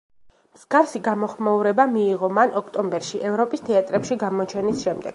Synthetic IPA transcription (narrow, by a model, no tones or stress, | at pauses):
mz̥ɡafsiɡamɔχmauɾɛbamiːʁɔmanɔkʰt̪ʼɔmbɛɾʃiʔɛvɾɔpʼist̪ʰɛat̪ʼɾɛpʃiɡamɔt͡ʃʰɛnisʃɛmd̪ɛ̰ɡ̥